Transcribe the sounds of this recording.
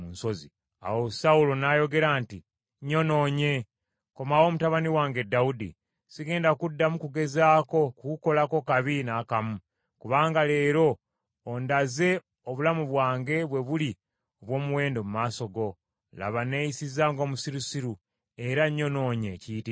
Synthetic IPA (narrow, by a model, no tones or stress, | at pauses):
unso̞zi | a̰wosaulo̞najo̞ɡe̞ɾaːnti | ɲo̞no̞ːɲe̞ | ko̞mawo̞ːmutaβaniwaːŋɡe̞daudḭ | siɡe̞ːndakudːamukuɡe̞zaːko̞kukuko̞lako̞kaβinakamu | kuβaːŋɡale̞ːɾo̞ː | ndaze̞ | oβulamuβwaːŋɡe̞βwe̞βuli | oβwo̞ːmuwe̞ːndomumaːso̞ɡo̞ | la̰βane̞jisizaːŋɡo̞ːmusiɾusiɾu | e̞ɾaɲo̞no̞ːɲe̞ciːti